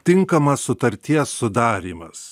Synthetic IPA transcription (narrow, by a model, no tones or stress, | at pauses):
t̪ʲɪŋkɐmɐsːʊt̪ɐɾʲt̪ʲiɛsːʊd̪ɑːɾʲiːmɐs